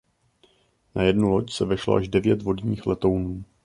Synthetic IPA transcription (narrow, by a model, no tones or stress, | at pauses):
najɛdnulo̞csɛvɛʃlo̰ʔaʒdɛvjɛt̪vo̞dɲiːxlɛt̪o̞wnuː